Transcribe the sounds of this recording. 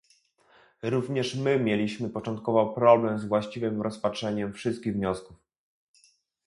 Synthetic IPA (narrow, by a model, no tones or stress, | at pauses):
ɾuvɲɛʂmɘmʲjelʲiɕmɘpɔt͡ʂɔnt̪̚kɔvɔpɾɔblɛmzvwaɕt͡ɕivɘmɾɔspatʂɛɲɛmfʂɘst̪kʲiɣvɲɔskuf